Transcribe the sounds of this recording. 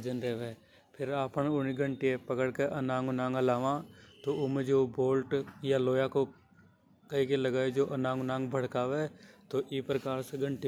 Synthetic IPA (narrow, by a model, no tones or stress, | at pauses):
d͡ʒənɾɛːʋeː | pʰɪɾaːpənʊniɡʱə̃ɳʈiepəkəɽkeʔɐnãːŋɡnãːŋəlaːʋãːt̪oʊmẽd͡ʒoːboːlʈjaloːjako | kəɦikeləɡaːed͡ʒoːʔənãːŋɡnãːŋbʱəɽ̤kaːʋet̪oʔiːpɾəkaːɾseɡə̃ɳʈi